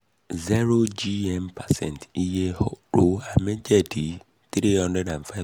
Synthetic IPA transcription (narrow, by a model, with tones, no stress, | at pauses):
zɛ˦ɾo˦d͡ʒi˦ɛ˦mpʰa˨sɛ̰̃˦˨n˨ti˦je˦hɔ˦ɾo˦a˨me˦d͡ʒɛ˦di˨ | t̪ɾi˦ɦɔ̃˦ndɾɛ˦da˨n̩˨fa˦ɪ˦